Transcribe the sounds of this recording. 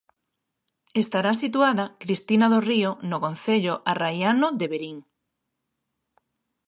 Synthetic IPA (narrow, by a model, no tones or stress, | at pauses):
est̪aɾasit̪uaðakɾist̪inaðorionokon̟θeʎoʔarajanoðeβeɾiŋ